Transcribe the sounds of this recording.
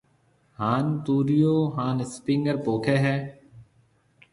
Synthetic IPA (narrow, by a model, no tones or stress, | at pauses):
haːnt̪uːɾijoːɦãːnɪspɪ̃ŋɡəɾpoːkʰeːɦɛː